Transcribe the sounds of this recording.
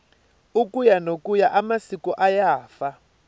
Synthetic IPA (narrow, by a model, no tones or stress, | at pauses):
ukujanokujaʔamasikuʔajaːfa